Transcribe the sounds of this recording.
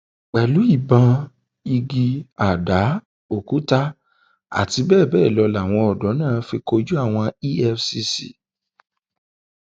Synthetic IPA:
k͡pɛ˨lu˨˦i˦˨bã˧ | i˧ɡi˧a˨da˨˦ | o˨ku˨˦ta˦ | a̰˦˨ti˧bɛː˦˨bɛː˦˨lɔ˧la˨w̃ɔ̃˧ɔ˨dɔ˨˦nãː˦˨˦fi˧ko˧d͡ʒu˦a˦˨w̃ɔ̃˧i˦ɛ˧fsi˧sḭ˨

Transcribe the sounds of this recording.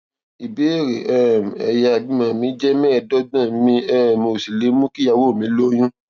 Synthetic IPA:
i˨be˨˦˨ɾe˨ʔɛ˦˨m˨ɛ˨ja˧a˨dĩ˦mã˨mĩ˨˦d͡ʒɛ˦mɛ̃˦˨dɔ˦dã˦˨mĩ˧ɛ˦˨mo˨si˨le˨˦mũ˦ki˦ja˧wo˦˨mĩ˨˦lo˦j̃ũ˦

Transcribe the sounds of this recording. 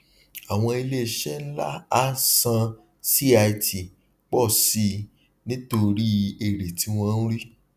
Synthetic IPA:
a˨w̃ɔ̃˧i˧le˦˨ʃɛ˦n̩˦la˦a˦sã˧ | si˦a˧i˧ti˨ | k͡pɔ˦˨si˧ | nĩ˦to˧ɾi˦e˨ɾe˨ti˨˦w̃ɔ̃˦n̩˦ɾi˦

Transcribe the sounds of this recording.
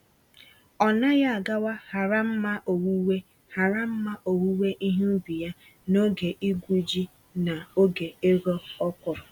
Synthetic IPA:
ɔ˨na˦ja˦a˨ɡa˦wa˦ha˨ɾa˦m̩˦ma˦ʔo˨wu˦we˦ | ha˨ɾa˦m̩˦ma˦ʔo˨wu˦we˦ʔi˦ɦi˦bi˨ja˦ | no˦ɡe˨ʔi˦ɡʷu˦d͡ʒi˦ | na˨o˦ɡe˨e˦ɡo˦ɔ˦kʷʊ˨ɾɔ˨

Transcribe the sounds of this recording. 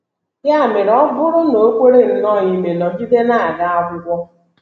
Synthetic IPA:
ja˦˨me˨ɾɔ˦bʊ˦ɾʊ˦no˨˦kʷe˦ɾe˦n̩˦nɔ˦˨ɲi˦me˨nɔ˨d͡ʒi˦de˦na˦a˨ɡa˦a˦ɡʊ˦ɡʷɔ˦

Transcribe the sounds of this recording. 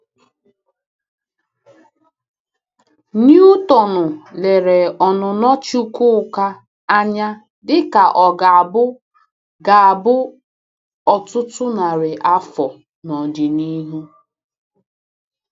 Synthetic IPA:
nju˦tɔ˨nʊ˨le˨ɾe˨ɔ˨nʊ˨nɔ˦t͡ʃu˦kʊ˦˨ka˦ | a˦ɲa˦ | dɪ˦ka˨ʔɔ˨ɡa˨bʊ˦ | ɡa˨a˨bʊ˦ | ɔ˨tʊ˦tʊ˦na˨ɾɪ˨ʔa˦fɔ˨ | nɔ˨di˨ni˦ɦu˦

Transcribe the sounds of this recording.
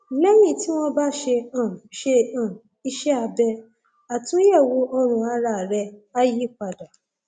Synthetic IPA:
lɛ˦jĩ˦˨ti˦w̃ɔ̃˦ba˦ʃe˧ã˨ʃe˧ã˨ | i˧ʃɛ˦a˧bɛ˧ | a˨tũ˨˦ɛ˦˨wo˧ʔɔ˧ɾ̃ũ˧a˧ɾa˧˨ɾɛ˧a˦ji˦˨k͡pa˨da˨

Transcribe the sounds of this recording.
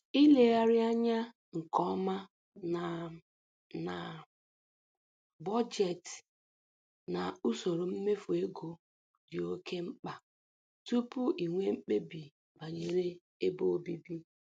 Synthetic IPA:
i˦le˨a˨ɾja˦ɲa˦ | ŋ̩˨kɔ˦ma˦ | n˨ | na˨ | bɔ˦d͡ʒe˨t | na˨u˦so˨ɾo˨m̩˦me˦fu˨e˦ɡo˨ | dɪ˨o˦kʰe˦ŋ͡m̩˦k͡pa˨ | tu˦pu˦ʔi˨ŋʷe˦m̩˦k͡pe˦bi˨ | ba˨ɲe˨ɾe˦ | e˦bo˦o˦bi˦bi˦

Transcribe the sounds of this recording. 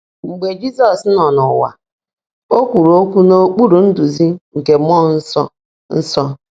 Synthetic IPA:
ŋ͡m̩˨ɡ͡be˨d͡ʒi˦sɔ˨snɔ˨nʊ˨wa̰˨ | o˦kʷu˨ɾo˦kʷu˦no˦k͡pu˦ɾu˨n̩˦du˨zi˦ŋ̩˨ke˨m˦ɔ˦n̩˦sɔ˦ | n̩˦sɔ˦

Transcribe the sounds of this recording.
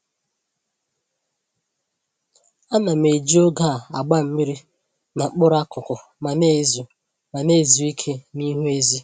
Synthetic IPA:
a˦na˨m̩˨e˨d͡ʒi˦o˦ɡa˦˨a˨ɡ͡ba˦m̩˦mi˦ɾi˦ | na˨k͡pʊ˦ɾa˦kʊ˨kʊ˨ | ma˨ne˦˨zu˨ | ma˨ne˦˨zu˨i˦kʰe˦ni˦ɦu˦e˦zi˦

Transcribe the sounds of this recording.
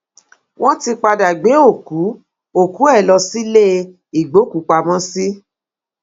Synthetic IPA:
w̃ɔ̃˦ti˧k͡pa˧da˨ɡ͡be˨˦o˦˨ku˨˦ | o˦˨ku˨˦ɛ˦˨lɔ˧si˦le˦˧ | i˨ɡ͡bo˨˦ku˨˦k͡pa˧mɔ̃˦si˦

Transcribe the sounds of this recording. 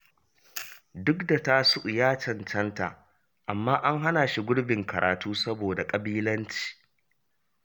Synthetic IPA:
dʊ˦kda˨ta˦sʊ˦ʔʊ˨jaː˦t͡ʃɐ˨nt͡ʃɐ˦nta̰˨ | ʔa˨mːaː˦ʔa˦ŋɦa˦na˨ʃi˦ɡʷʊ˦ɽbɪ˨ŋkɐ˨ɾʔaː˨tuː˦sɐ˦boː˨da˨kʼɐ˨biː˦lɐ˦nt͡ʃi̥ː˨

